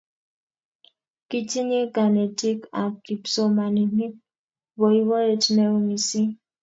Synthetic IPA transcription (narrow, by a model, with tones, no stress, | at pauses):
ki˦t͡ʃi˦ɲe˦ɡa˨ne˨ti˦ka˨ki˨pso˦ma˨ni˨ni˦ | bo˨i˦wɔ˦e˦tnɛ˦u˦ŋi˨si˦